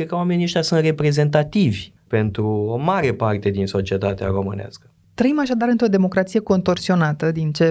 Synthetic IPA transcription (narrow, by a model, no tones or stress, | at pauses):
kɾed̪kəwamenʲeʃt̪ʲjasunt̪re̞pɾe̞ze̞nt̪at̪ivʲ | pe̞nt̪ɾuomaɾe̞part̪e̞d̪inso̞t͡ʃie̞t̪at̪ea̰ɾo̞mɨ̰nea̰skə̥ | t̪ɾəimaʃad̪aɾɨnt̪ɾo̞d̪e̞mo̞kɾat̪sije̞ko̞nt̪o̞rsio̞nat̪əd̪int͡ʃe̞